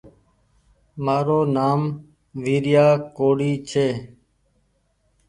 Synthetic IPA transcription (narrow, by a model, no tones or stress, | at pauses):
maːɾoːnaːm | ʋiːɾɪjaːkoːɽiːt͡ʃʰeː